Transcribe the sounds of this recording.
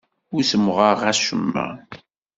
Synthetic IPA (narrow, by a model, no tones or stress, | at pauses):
usəmʁəʁæʃəmːæ̰